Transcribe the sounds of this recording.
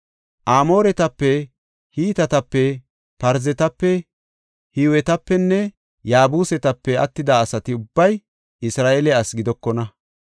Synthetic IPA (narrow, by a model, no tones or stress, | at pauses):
ʔaːmoːɾɛt̪ɐpːɛ | hiːt̪ɐt̪ɐpːɛ | pɐɾzɛt̪ɐpːɛ | hiwɛt̪ɐpːɛnːɛ | jaːbuːsɛt̪ɐpːɛɐt̪ːɪd̪ɐːsɐt̪ɪʊbːɐj | ɪsɾaːʔelɛɐsɡɪd̪ɔkːɔnɐ